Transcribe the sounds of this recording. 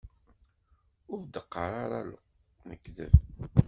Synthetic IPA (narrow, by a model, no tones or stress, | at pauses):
ʊɾd̪əqːəɾaɾalʊ̰q | məkːðə̰v